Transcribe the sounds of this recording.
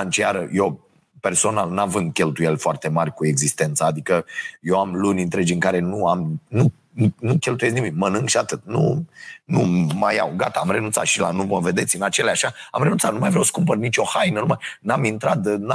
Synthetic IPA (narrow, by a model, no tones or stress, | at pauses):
ant͡ʃiaɾəjew | pe̞rso̞nalnavɨnd̪̚kʲe̞lt̪uje̞lʲfoart̪e̞marʲkue̞ɡzist̪e̞nt̪səːd̪ikəjewamlunʲɨnt̪ɾed͡ʒɨŋkaɾe̞nuamnu | unukʲe̞lt̪uje̞z̬nimimənɨŋɡʃiat̪ɨt̪̚nunumajawɡa̰t̪aːmre̞nunt̪sa̰t̪ʃila̰numəve̞d̪e̞t̪sʲɨnat͡ʃe̞leaʃaamɾenunsat̪numajvɾawskumpərnit͡ʃʲo̞hajnənumajnamint̪ɾat̪na